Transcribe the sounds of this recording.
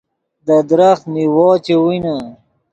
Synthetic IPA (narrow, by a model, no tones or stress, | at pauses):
d̪ad̪ɾaxt̪niwɔːt͡ɕewina